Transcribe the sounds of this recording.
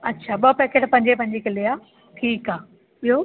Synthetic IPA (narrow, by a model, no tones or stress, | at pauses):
ɐtːɕʰaɓɐpekeʈpɐ̃ɦɪ̃ɲ̆d͡ʑepɐ̃ɦɲ̆d͡ʑekʰelijaː | ʈʰiːkaː | ɪɦo